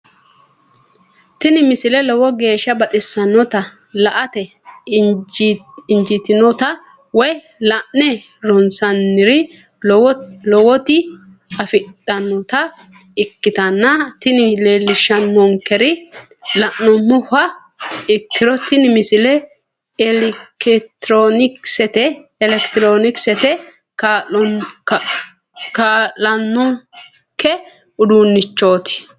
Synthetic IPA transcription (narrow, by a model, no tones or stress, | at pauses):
t̪ɪnɪmɪsɪlɛlɔwɔɡe̞ːʃːɐbɐt̪ʼɪsːɐnːɔt̪ɐ | lɐʔɐt̪ɛ | ɪnd͡ʒɪt̪ɪnɔt̪ɐ | wɔj | lɐʔnɛ | ɾɔnsɐnːɪɾɪ | lɔwɔt̪ɪ | ɐfɪɗɐnːɔt̪ɐ | ɪkːɪt̪ɐnːɐt̪ɪnɪleːlːɪʃɐnːɔŋkɛɾɪ | lɐʔːɔmːʊhɐ | ɪkʰːɪɾɔt̪ɪnɪmɪsɪlɛ | kɛt̪ɾonɪksɛt̪ɛɛlɛkt̪ɾoːnɪksɛt̪ɛ | kaɔ | kalːɐnːɔ | kːɛ | ʊd̪uːnːɪt͡ʃːo̞ːt̪ɪ̥